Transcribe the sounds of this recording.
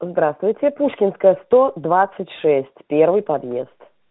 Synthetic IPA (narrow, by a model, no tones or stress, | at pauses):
zd̪ɾast̪vʊjtʲɪpuʂkʲɪnskəjəst̪od̪vat̪sːɨtʲʂɛsʲtʲpʲervɨjpɐd̪jḛst̪